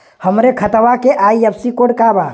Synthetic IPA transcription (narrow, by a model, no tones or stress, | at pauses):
həmɾekʰət̪ʋakeʔaijəbsikoɽkaba